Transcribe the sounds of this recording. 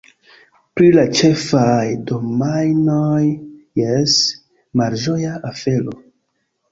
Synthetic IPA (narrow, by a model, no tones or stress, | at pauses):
pɾilat͡ʃe̞fajdomajnojːes | maɾʒojaʔafe̞lo